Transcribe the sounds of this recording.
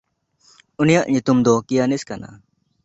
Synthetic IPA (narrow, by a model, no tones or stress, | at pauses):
unijaʔɲut̪umd̪ɔkijaniskana̰